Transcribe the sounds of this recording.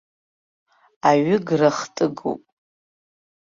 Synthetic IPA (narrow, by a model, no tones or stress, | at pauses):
aɥʏɡraχtʼɨɡo̰wpʼ